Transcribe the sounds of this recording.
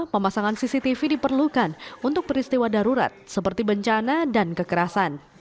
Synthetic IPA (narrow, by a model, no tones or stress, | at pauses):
pəmasaŋansisit̪ifidipərlukanunt̪ʊk̚pəɾist̪iwadaɾuɾa̰t̪̚səpərt̪ibəɲt͡ʃanadankəkəɾasan